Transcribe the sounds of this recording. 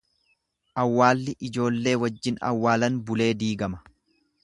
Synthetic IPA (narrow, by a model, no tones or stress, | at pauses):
ʔɐwːaːlːɪʔɪd͡ʒo̞ːlːe̞ːwɐd͡ʒːɪnɐ̰wːaːlɐnbʊle̞ːd̪iːɡɐmɐ̥